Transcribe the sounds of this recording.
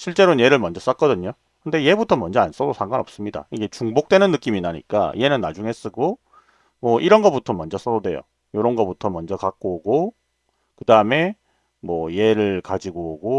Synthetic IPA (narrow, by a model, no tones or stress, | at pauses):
ɕʰiɭt͡ɕ͈e̞ɾonje̞ɾɯɭmʌnd͡ʑʌs͈ak͈ʌdɯɲo | kɯnde̞je̞butʰʌmʌnd͡ʑʌans͈ʌdosʰaŋɡanʌps͈ɯmɲida̰iɡe̞t͡ɕuŋbok̚t͈we̞nɯnːɯk͈iminaɲḭk͈a̰ḭje̞nɯnːad͡ʑuŋes͈ɯɡo | mwʌʔiɾʌnɡʌputʰʌmʌnd͡ʑʌs͈ʌdodwe̞̰jo̰ | joɾʌnɡʌbutʰʌmʌnd͡ʑʌkak͈̚oɡo | kɯdaɯme̞ | mwʌje̞ɾɯɭkad͡ʑiɡoɡo